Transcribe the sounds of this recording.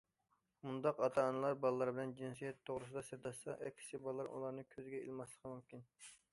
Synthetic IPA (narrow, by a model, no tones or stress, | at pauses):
mund̪ɑqɑt̪ʰɑːnɨlˠɑɾbɑlˠlːˠɑɾbɪlɛnd͡ʒinsijɛt̪ʰːoʁɾɨsɨd̪ɑseɾd̪ɑʃsɑʔɛkʲʰi̥sɪbɑlˠlːɑɾṵlˠɑɾnɨkʲʰøzɪɡʲɛḭlˠmɑslˠəqʰmumkʲin